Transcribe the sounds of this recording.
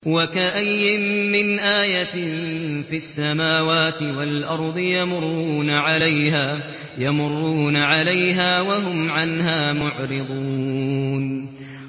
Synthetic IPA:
wakaʔajːɪmːɪnʔaːja | fiasːamaːwaːt̪ɪwalʔɑɾˤd̪ˤɨjamʊrːuːnaʕalajɦaː | jamʊrːuːnaʕalajɦaːwaɦʊmʕanɦaːmʊʕɾɪd̪ˤuːn

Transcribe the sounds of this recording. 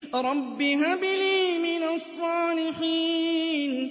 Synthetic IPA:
ɾˤɑbːɪɦabɪliːmɪnasˤːɑːlɪħiːn

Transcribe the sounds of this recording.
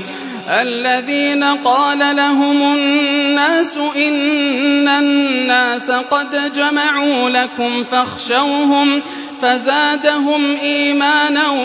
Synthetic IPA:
ʔalːaðiːnaqɑːlalaɦʊmʊnːaːsʊʔɪnː | anːaːsaqɑd̪d͡ʒamaʕuːlakʊmfaxʃawɦʊm | fazaːd̪aɦʊmʔiːmaːna

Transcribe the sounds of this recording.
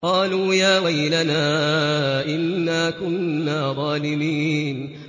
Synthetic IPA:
qɑːluːjaːwajlanaː | ʔɪnːaːkʊnːaːðˤɑːlɪmiːn

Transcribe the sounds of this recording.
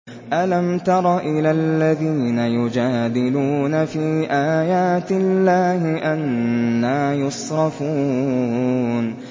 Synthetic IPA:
ʔalamt̪ɑɾˤɑʔɪlalːaðiːnajʊd͡ʒaːd̪ɪluːnafiːʔaːjaːt̪ɪlːaːhɪʔanːaːjʊsˤɾɑfuː | n

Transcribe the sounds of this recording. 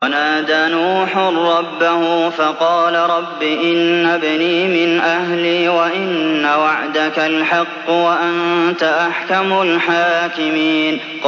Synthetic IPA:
anaːd̪aːnuːħʊrːɑbːahʊfɑqɑːlaɾˤɑbːiːʔɪnːabɪniːmɪnʔahliːwaʔɪnːawaʕd̪akalħɑqːwaʔant̪aʔaħkamʊlħaːkɪmiːn | q

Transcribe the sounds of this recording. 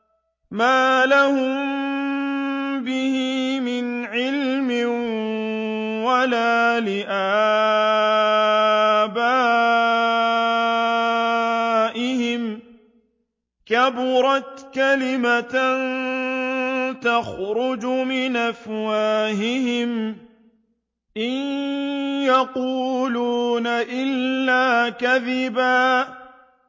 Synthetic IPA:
maːlahʊm | bɪhɪmɪnʕɪlmɪ | walaːlɪʔa | baː | ʔɪhɪm | kabʊɾˤɑt̪kalɪman | t̪axɾʊd͡ʒʊmɪnʔafwaːɦɪɦɪm | ʔɪn | jaquːluːnaʔɪlːaːkaðɪbaː

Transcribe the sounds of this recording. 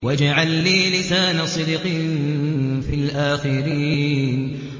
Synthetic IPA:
wad͡ʒaʕalːiːlɪsaːnasˤɨd̪ɪqiːnfilʔaːxɪɾiːiːn

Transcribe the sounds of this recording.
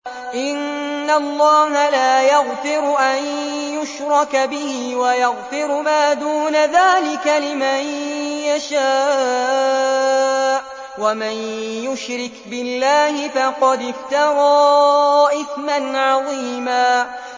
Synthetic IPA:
ʔɪnːalˤːɑːɦalaːjaɣfɪɾʔanjʊʃɾˤɑkbɪhiːwajaɣfɪɾmaːd̪uːnaðaːlɪkalɪmanjaʃaː | ʔ | wamanjʊʃɾɪkbɪlːaːhɪfɑqɑd̪ɪft̪ɑɾɑːʔɪθmanʕɑðˤiːmaː

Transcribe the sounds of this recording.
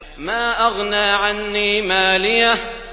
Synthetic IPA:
maːʔaɣnaːʕanːiːmaːlɪja

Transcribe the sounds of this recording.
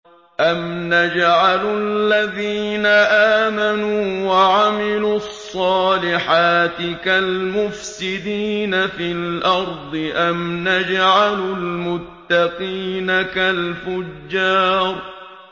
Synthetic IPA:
ʔamnad͡ʒʕalalːaðiːnaʔaːmanuːwaʕamɪluːɑsˤːɑːlɪħaːt̪ɪkalmʊfsɪd̪iːnafilʔɑɾˤd̪ˤɨʔamnad͡ʒʕalʊlmʊt̪ːɑqiːnakalfʊd͡ʒːɑːɾˤ

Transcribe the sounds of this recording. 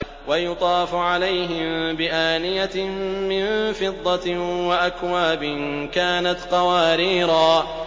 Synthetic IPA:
wajʊt̪ˤɑːfʕalajɦɪmbɪʔaːnɪjamɪnfɨd̪ˤːɑwaʔakwaːbɪnkaːnat̪qɑwaːɾiːɾaː

